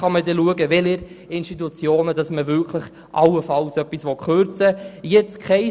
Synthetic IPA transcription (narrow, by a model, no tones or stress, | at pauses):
χɑmədɛluəɡəʋɛləɾɪnʃtitut͡sjoːnədɑsməvʏkʰləχ | ʔɑwəfɑlsœpːisʋɔχøɾt͡səjɛt͡skχɛɪ